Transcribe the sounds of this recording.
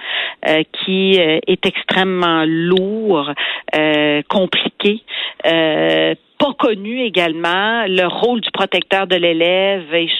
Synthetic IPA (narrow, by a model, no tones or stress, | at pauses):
økʲʰiøɛt̪ɛkst̪χɛmːɑ̃luːʁøkʰɔ̃plikʲeø | pakɔnyeɡʲalmɑ̃ləʁold̪ypχɔt̪ɛk̚t̪œːʁd̪əlelɛve